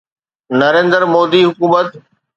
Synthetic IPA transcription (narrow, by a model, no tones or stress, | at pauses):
nɐɾẽːnd̪əɾmoːd̪iɦʊkuːmət̪